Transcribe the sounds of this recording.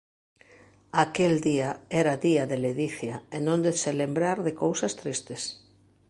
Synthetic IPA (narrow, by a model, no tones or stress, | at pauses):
akeld̪iaɛɾaðiaðeleðiθjaenõnd̪eselembɾaɾðekowsɐst̪ɾist̪ɪs